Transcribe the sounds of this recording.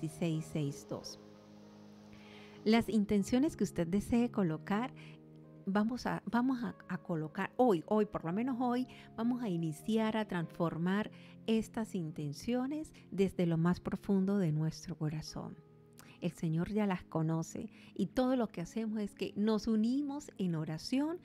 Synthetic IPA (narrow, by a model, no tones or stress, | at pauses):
isejsːejsd̪o̞̰s | lasint̪e̞nsjo̞ne̞skeust̪e̞d̪̚d̪e̞se̞ːko̞lo̞kaɾ | bamo̞sa̰bamo̞saakolo̞kaɾo̞jʔo̞jpoɾlo̞mẽ̞no̞so̞j | b̥amo̞sainisjaɾat̪ɾansfo̞ɾmaɾ | e̞st̪asint̪e̞nsjo̞ne̞z | d̪e̞zðe̞lo̞maspɾo̞fund̪o̞ðe̞nwest̪ɾo̞ko̞ɾaso̰n | e̞lse̞ɲo̞ɾʝalasko̞no̞se̞̰ | it̪o̞ð̞o̞lo̞ke̞ase̞mo̞se̞ske̞̰no̞sunimo̞se̞no̞ɾasjo̞n